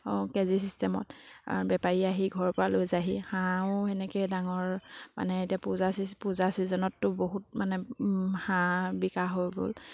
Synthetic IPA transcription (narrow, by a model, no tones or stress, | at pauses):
ɔkɛzisistɛmɔ̰ta̰ɹbɛpaɹiaɦiɡʱɔɹpɔɹalojzaɦihaʊɛnɛkɛjdaŋɔɹma̰nɛetiapuzasispuzasizɔnɔtːʊboɦut̚manɛhãbikaɦojɡo̰l